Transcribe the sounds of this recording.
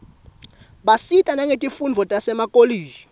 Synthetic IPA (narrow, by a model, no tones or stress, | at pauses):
ɓasitʼanaŋetʼifund͡zʱɔtʼasɛmakʼoliːʒi